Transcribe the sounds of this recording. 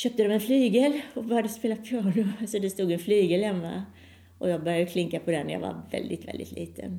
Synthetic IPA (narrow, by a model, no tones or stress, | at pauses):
ɕœːp̚t̪əd̪ɔmɛnflyːɡɛlɔbœɾjad̪əspeːlapʰjɑːɳʊsɔd̪ɛst̪uːɡɛnflyːɡəlhɛmːa̰ | ʔɔjɑːɡ̚bœɾjad̪əkʰlɪŋkːapʰɔd̪ɛnːɛja̰va̰ɾvɛ̰ld̪ɪt̪vɛ̰ld̪ɪ̰t̪ʰlʔḭːt̪ʰə̰n